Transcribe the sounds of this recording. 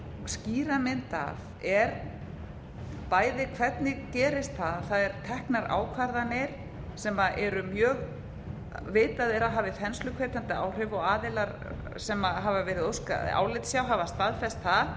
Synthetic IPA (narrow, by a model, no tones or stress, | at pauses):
sciːɾamɪnt̪a̰v | ɛɾ | paːjðɪkʰv̥ɛt̪nɪɣcɛːɾɪst̪θaðθaðɛɾ̥t̪ʰɛhknaɾa̰ːwkʰvaɾðanɪɾ̥ | sɛmaʔɛɾʏmjœːɣ | veːt̪aðɛɾaðɦaːvɪθɛnslʏkʰveːt̪ant̪ɪa̰wr̥ʏvɔɣaːðɪlaɾ | sɛmaɦavavɛːɾɪðowska̰a̰ːwlɪt̪sjawɦavast̪aðfɛst̪θað